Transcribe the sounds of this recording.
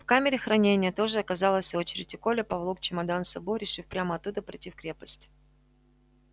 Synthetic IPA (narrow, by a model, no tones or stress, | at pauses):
fkamʲɪɾʲɪxɾɐnʲenʲɪjət̪o̞ʐɨɐkɐzɑlˠəsʲo̞t͡ɕɪɾʲɪtʲɪko̞lʲəpɐvlˠok̚t͡ɕɪmɐd̪ansɐboɾʲɪʂɨfpɾʲaməɐt̪ːud̪əpɾʲɪ̰tʲːifkɾʲe̞pəsʲtʲ